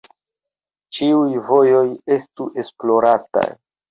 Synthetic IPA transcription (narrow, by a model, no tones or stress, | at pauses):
t͡ʃiujvo̞jo̞je̞stuʔe̞splo̞ɾata̰j